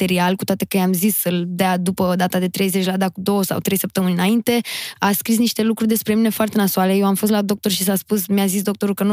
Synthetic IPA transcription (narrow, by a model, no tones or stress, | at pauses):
t̪eɾialkut̪at̪e̞kəjamzisɨld̪ead̪upəd̪at̪ad̪e̞t̪ɾe̞jzet͡ʃʲlad̪akud̪o̞wəsa̰wt̪ɾe̞jsəp̚t̪əmɨninaint̪e̞askɾis̬niʃt̪e̞lukɾurʲd̪e̞spɾe̞mine̞foart̪e̞nasuale̞jewamfo̞s̬t̪lad̪o̞k̚t̪o̞rʃisaspusmjazis̬d̪o̞k̚t̪o̞ɾukənu